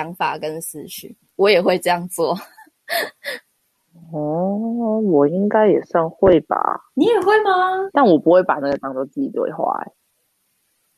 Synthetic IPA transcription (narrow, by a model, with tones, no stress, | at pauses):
ɑ˧˥ŋfa˨˩kə˦nsɹ̩˥˧t͡ɕʰy̰˥˩ | wɔ˨˦˥jɛ˨˩xwe˥˧ɪʈ͡ʂɤ˥˧jɑ˥˧ŋt͡swɔ˥˨ | ɔ˥˩ | wɔ˨˩i˦˥ŋka˥ɪjɛ˨˩sɑ˥˧ŋxwe˥˩ɪpa̰˨˩ni˨˥jɛ˨˩xwe˥˩ɪma˧t̪a˥˩nwɔ˨˩pu˧˦xwe˥˩ɪpa˨˩na˥˩ɡə˨˩t̪ɑ˥ŋt̪o˥˧t͡s̩˥˩t͡ɕi˨˩t̪wḛ˥˧ɪxwa̰˥˩ɪ